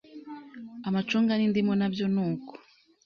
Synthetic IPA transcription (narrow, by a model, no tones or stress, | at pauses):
amat͡ʃuːŋɡanindimɡonabjonuːko̥